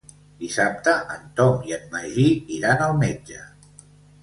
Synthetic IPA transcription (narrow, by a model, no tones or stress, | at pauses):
d̪isap̚t̪əʔənt̪ɔmiənməʒiiɾanəlˠmed͡ʒə